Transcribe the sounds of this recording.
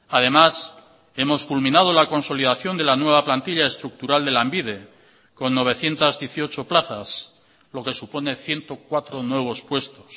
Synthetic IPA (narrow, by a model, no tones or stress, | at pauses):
aðe̞mas | e̞mo̞skulmĩnað̞olako̞nso̞liðaθjo̞nd̪e̞lanwe̞β̞aplant̪iʎae̞st̪ɾuk̚t̪uɾald̪e̞lambiðe̞ | ko̞nːo̞β̞e̞θje̞nt̪azðjeθio̞t͡ʃo̞plaθas | lo̞ke̞supo̞ne̞θje̞nt̪o̞kwat̪ɾo̞nwe̞β̞o̞spwe̞st̪o̞̥s